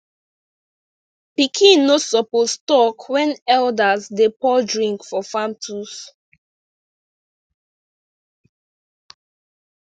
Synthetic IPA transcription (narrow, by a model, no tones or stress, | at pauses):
pikʰĩnːosɔpostɔkʰwɛ̃nɛldasdepɔdɹĩŋkfɔfãmtʰus